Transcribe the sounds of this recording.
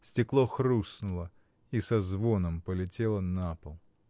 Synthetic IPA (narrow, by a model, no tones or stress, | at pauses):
sʲtʲɪklˠoxrusnʊlˠə | isɐzvo̞nəmpəlʲɪtʲelˠənapəlˠ